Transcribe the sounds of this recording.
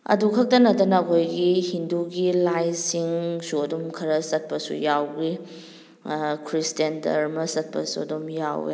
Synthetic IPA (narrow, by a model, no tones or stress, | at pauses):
ɐ̰dukʰɐk̚tɐnɐtɐnɐːkʰojɡihinduɡilajsiŋsuɐdumkʰɐɾɐsɐt̚pɐsṵjawɡi | kʰɾistendɐ̰ɾmɐsɐt̚pɐ̰suɐ̰dumja̰wḛ